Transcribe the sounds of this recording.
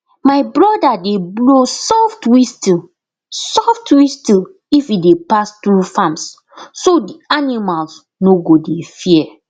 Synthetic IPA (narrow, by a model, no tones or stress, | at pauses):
maɪbɹɔdadeblosɔftwisti | sɔftwistil | ifidepastɹufãmsː | odianimals | noɡodefiɛ